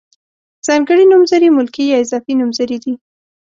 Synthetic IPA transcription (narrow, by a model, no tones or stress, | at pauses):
z̥ɑŋɡəɽinumzaɾimʊlkijɑɪzɑfinumzaɾid̪i